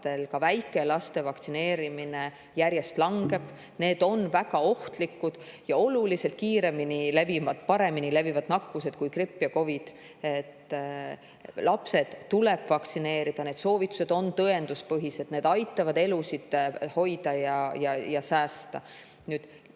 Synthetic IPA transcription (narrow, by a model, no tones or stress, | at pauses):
t̪e̞lkɑvæjkːˑe̞lɑst̪e̞vɑkt̪sine̞ːɾimine̞ | jæɾje̞st̪lɑŋɡ̥e̞b̥ | ne̞ːd̪̥o̞nvæɡɑo̞ht̪likːˑud̪̥jɑo̞lulise̞lt̪̚kiːɾe̞minile̞vivɑd̪̥̚pɑɾe̞minile̞vivɑd̪nɑkːˑuse̞d̪̥̚kujkrepːˑjɑko̞vid̪̥ | e̞t̪ː | lɑpse̞d̪̥t̪ːule̞b̥vɑkt̪sine̞ːɾid̪̥ɑne̞ːd̪̥so̞ːvit̪ˑːuse̞d̪̥o̞nt̪ɤe̞nd̪uspɤɦised̪̥ne̞ːd̪ɑjt̪ːˑɑvɑd̪e̞lusid̪̥ho̞jd̪̥ɑjɑjɑjɑsæːst̪ɑ̰ | nyːd̪̥